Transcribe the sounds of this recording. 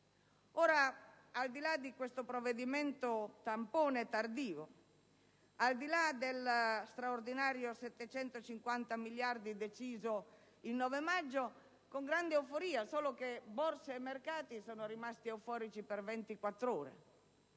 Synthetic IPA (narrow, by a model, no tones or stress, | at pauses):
oːɾa | ald̪ilad̪ikwest̪opɾovːed̪iment̪ot̪ampoːnet̪ard̪iːvo | ald̪ilad̪elst̪ɾaord̪inaːɾjosɛt̪ːet͡ʃɛnt̪ot͡ʃiŋkwant̪amiljard̪id̪et͡ʃiːzo | innːɔːvemad͡ʒːo | koŋɡɾand̪eɛwfoɾiːasoːlokeborseːmːerkaːt̪isoːnoɾimast̪iɛwfɔːɾit͡ʃipervɛnt̪ikwat̪ːɾoːɾḛ